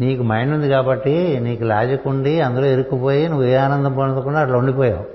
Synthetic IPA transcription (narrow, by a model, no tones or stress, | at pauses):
niːkumɐjɳund̪ikaːbɐʈːiniːkulaːd͡ʒɐkuɳɖiɐnd̪ulo̞ːeɾukːupoːjinuʋːueːaːnɐnd̪ɐmpɐnɐt̪oːkuɳɖaːʈlɐːuɳɖipoːja̰ː